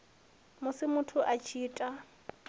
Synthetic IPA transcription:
mʊsɪmʊtʰʊʔat͡ʃʰiːtʼa

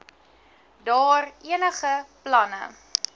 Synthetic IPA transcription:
dɑːriənəχəplɐnə̰

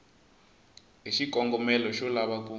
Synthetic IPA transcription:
ɦiʃikɔŋɡɔmɛlɔʃɔlaβak̬ʼu

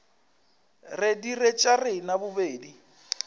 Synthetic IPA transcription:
rɪdiret͡ʃʼarɪnabʊbeːdi

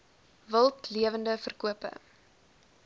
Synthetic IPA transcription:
vəlˠtliəvəndəfərkuəpə̰

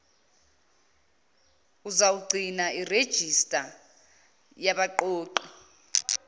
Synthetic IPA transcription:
uzawuɡ͡ǀʱinaired̥ʒ̥ʱistʼa | jaɓaǃoːǃɔ

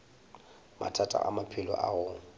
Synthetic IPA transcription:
ma̰tʰatʼa̰ʔamapʰɪlɔʔaɣʊŋ̩

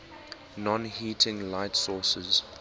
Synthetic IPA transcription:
nɔ̃nhiːtʰɪ̃ŋlaɪtsɔːsəz

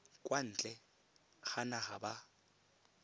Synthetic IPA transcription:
kʼwan̩t͡ɬʼɛ | ɣanaχaba

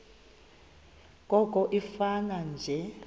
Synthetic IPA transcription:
kʼɔkʼɔʔifanand͡ʒʱɛ

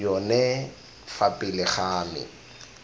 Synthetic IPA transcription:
ɔnɛ | fapʼɪlɪχaːmɪ̰

